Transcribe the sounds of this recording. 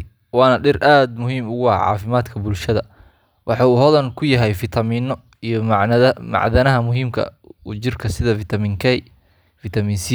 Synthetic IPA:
wɑːnɐɖɪrʔaːd̪mʊɦiːmʊɣʊɑ̰ʕɑ̰ːfɪmaːd̪kʰɐbʊlʃɐðɐ | wʔɑħɑuːhɔðɐnkʰʊjɐɦɛjfɪt̪ʰɐmin | ij | mɑ̰ʕðɐnɐɦɐmʊɦiːmkʰɐ̰ | ṵt͡ʃɪrkʰɐsɪðɐfɪt̪ʰɐmiŋkʰɛ | fɪt̪ʰɐmiːnsi

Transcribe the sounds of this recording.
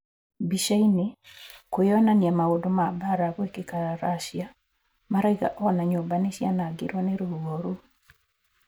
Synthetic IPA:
biʃainikojɔnanjɛmaodomabaɾakwekekaaɾaʃja | maɾaiɡa̰ʔɔnaɲobaneʃjanaɡɪɾwɔnɛɾuuɡoɾu

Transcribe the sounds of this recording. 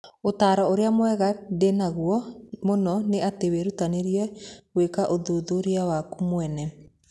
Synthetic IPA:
otaːɾɔoɾeamwɛɣadenaɣuɔmonɔneateweɾutaneɾiɛwekaʔoðuðoɾeawakumwɛnɛ

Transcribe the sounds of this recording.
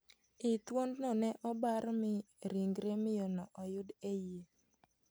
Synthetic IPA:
ɪt̪wondnɔnɛʔɔbaɾmɪ | ɾiŋɡɾemɪjɔnɔʔɔjʊdeje

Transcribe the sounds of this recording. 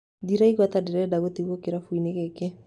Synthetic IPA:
diɾaiɣwat̪adeɾɛdaɣot̪iɣokeɾafuinekɛke

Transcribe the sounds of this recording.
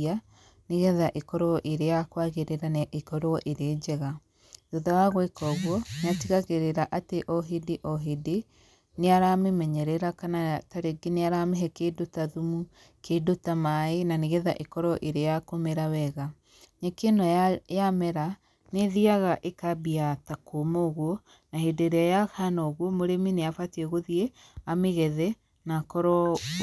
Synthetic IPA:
a | neɣɛðaʔekɔɾoɔʔeɾejakwaɣeɾeɾanaʔekɔɾoɔʔeɾeːd͡ʑɛɣa | ðoðawaɣwekɔɣwɔneatiɣaɣeɾeɾaʔateʔɔɦedeʔɔɦede | neaɾamemɛɲɛɾɛɾakanataɾeɡeneaɾameɦɛkedotaðumu | kʰedotamaenaneɣɛðaʔekɔɾɔʔeɾejakomeɾawɛɣa | ɲekenɔjamɛɾa | neðiaɣaʔekabiatakomoɣwɔ | nahedeɾeajahanɔoɣwɔmoɾemineafatiɛɣoðiɛ | ameɣɛðɛ | nakɔɾɔ

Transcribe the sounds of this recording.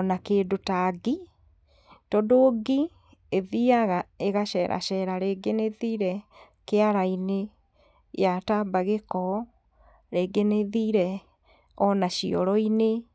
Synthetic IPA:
ɔnakeːdotaɡi | tɔdoːɡi | eðiaɣaeɣaʃɛːɾʔa̰ʃɛɾaɾeːɡeneðiɾɛ | keaɾaine | jatabaɣekɔ | ɾeɡeneðiɾɛ | ɔnaʃiɔ̰ɾɔine

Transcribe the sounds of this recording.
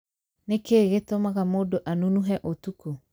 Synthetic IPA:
nekeːɣetomaɣamoːdoʔanunuɦɛʔotuko

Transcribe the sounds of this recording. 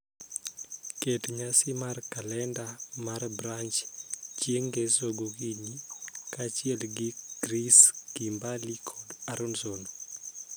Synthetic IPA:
ketɲasɪmarkalɛndamarbɾant͡ʃt͡ʃjeŋɡesoɡokiɲikat͡ʃɪɛlɡɪɡ̥ɾiskimbalikʰɔdaɾonsono

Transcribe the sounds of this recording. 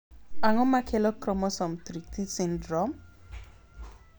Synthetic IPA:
aŋɔmakʰɛlɔkɾɔmɔsɔmt̪ɾit̪ʰisindɾɔm

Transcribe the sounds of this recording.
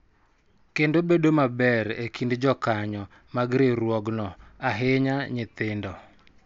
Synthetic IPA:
kendobedomabɛɾekindd͡ʒɔkaɲɔ | maɡɾɪɾwɔɡnɔaɦɪɲaɲɪt̪ɪndɔ

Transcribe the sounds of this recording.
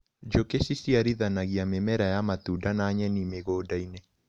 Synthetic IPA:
d͡ʒokesisiaɾiðanaɣiamemɛɾajamat̪udanaɲɛnimeɣoːdainɛ

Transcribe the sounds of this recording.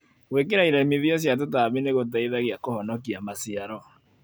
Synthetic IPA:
wek̬eɾaiɾɛmiðiɔs̬jat̬otaβeneɣot̬aiðaɣeakohɔnɔkiamasiaɾɔ

